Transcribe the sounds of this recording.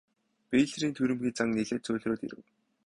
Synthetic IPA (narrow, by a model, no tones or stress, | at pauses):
peːɮriːnt̪ʰuɾɘ̆mxʲiːt͡saŋneɮĕːt̪t͡sʊːɮroːt̪ḭɾɘ̆w